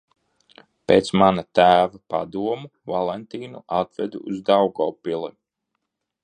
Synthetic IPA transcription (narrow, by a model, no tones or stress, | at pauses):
pḛːt̪smanat̪æːvapa̰d̪uɔmuvalˠɛnt̪iːnṵʔat̪vɛ̰d̪uuzd̪awɡɔːpilˠi